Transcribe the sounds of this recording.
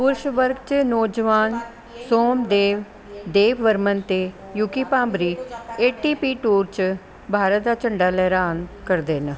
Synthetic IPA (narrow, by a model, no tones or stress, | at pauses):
pʊɾʃʋəɾɡt͡ʃnɔːd͡ʒəʋaːn | soːmd̪eːʋ | d̪eːʋʋəɾmənt̪eː | jukiːpãːmbɾiːeːʈiːpiːʈuːɾt͡ʃ | bʱaːɾət̪̚d̪aːt͡ʃəɳɖaːlɛːɾaːnkəɾd̪eːn